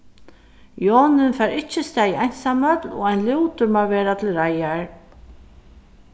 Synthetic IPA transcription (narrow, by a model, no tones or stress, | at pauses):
jɔːnɪnfɛːɾɪht͡ʃːɪst̪ɛːjajnsamœt̪lɔ̰ɣajnluwt̪ʊɾmaːvɛːɾat̪ʰɪlɾajaɹ